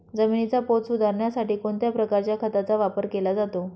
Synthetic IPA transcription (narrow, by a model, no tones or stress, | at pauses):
d͡zəminit͡sapot̪sud̪ʱaɾɳjasaʈiːkoɳt̪japɾəkaɾt͡ɕjakʰət̪at͡saʋapəɾkelad͡zat̪o